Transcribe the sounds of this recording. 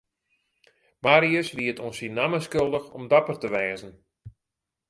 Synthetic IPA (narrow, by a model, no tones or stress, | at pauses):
maɾiəsʋiətʰɔnsinaməskølˠdəxɔmdapərtəʋɛːzən̩